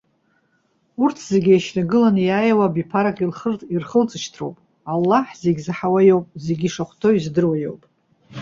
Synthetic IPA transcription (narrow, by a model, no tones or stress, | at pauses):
urtʰz̥eɡʲiaʃnaɡɨlanjaːjawabipʰaɾakʼilχərtʼirχəlt͡sʼɨt͡ʃʰtʰro̞wpʼ | alːaħzeɡʲzaħawajo̞wpʼze̞ɡʲiʂaχʷtʰo̞ɥzdɨrwajo̞̰wpʼ